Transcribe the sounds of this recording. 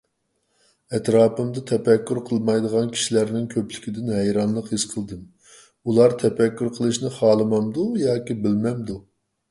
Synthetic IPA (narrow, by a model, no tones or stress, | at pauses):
ɛt̪ɾɑːpɨmd̪ɨt̪ʰɛpɛkʲːyɾqʰəlˠmɑjd̪əʁɑnkʲʰi̥ʃilæɾnɪŋkʲʰøplɪkʲid̪ɪnɦɛjɾɑnlˠəqhizqʰəlˠd̪ɨm | ulˠɑɾt̪ʰɛpɛkʲːyɾqʰəlˠɨʃnɨχɑːlˠɨmɑmd̪ujɑːkʲibɪlmɛmd̪u